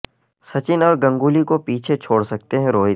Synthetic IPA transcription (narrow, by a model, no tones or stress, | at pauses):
sɐt͡ʃɪnɔːɾɡɐ̃ŋɡuːlikopiːt͡ʃʰet͡ʃʰoːɽsɐk̚t̪eɦɛ̃ɾoːɦi